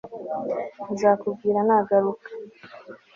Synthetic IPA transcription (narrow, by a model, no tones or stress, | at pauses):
zaːkub̚ɡiːɾanaɡaɾukḁ